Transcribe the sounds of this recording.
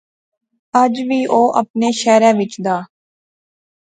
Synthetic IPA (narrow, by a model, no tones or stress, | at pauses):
əd͡ʒʋiːʔoːʔə̰p̚neːʃɛːɾɛ̃ːʋɪt͡ʃd̪aː